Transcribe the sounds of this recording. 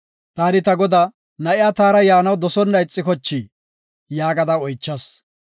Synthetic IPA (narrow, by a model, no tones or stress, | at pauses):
t̪aːɾɪt̪ɐɡɔd̪aː | nɐʔɪjaːt̪aːɾɐjaːnɐwd̪ɔsɔnːɐjt͡sʼːɪkɔt͡ʃːi | jaːɡɐd̪aɔjt͡ʃːɐs